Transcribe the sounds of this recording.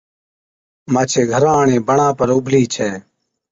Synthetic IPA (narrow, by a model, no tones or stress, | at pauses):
maːt͡ʃʰeːɡʱəɾãːɳẽːbəɳãːpəɾʊbʱliːt͡ʃʰeː